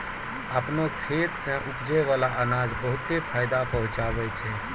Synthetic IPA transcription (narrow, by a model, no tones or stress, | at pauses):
əpnokʰet̪sə̃ʔukd͡ʒɛʋalaʔənad͡ʒbəɦut̪ːepʰajd̪apəɦʊ̃t͡ʃabɛt͡ʃʰɛ